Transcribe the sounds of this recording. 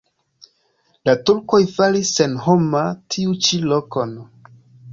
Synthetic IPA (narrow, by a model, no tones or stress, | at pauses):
latuɾko̞jfalisːe̞nhomatʰiut͡ʃilokon